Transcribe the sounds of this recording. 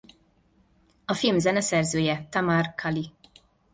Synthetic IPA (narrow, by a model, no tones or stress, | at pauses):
ɒfilmzɛnɛsɛrzøːjɛt̪ɒmarkʰali